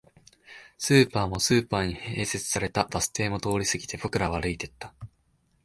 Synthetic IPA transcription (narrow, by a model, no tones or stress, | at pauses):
sɨːpaːmo̞sɨːpaːɲ̟ihe̞ːse̞t͡sɨ̥saɾe̞t̪ab̥asɨ̥t̪e̞ːmo̞t̪o̞ːɾʲisɨɡʲi̥t̪e̞bo̞kɯ̟ɾaβaɾɯ̟it̪e̞t̪ːḁ